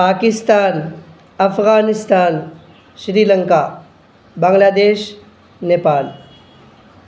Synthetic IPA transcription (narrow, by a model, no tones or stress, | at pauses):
paːkist̪aːn | ɐfɣaːnist̪aːn | ɕɾiːləŋka | bəŋɡlaːd̪eːɕ | nepaːl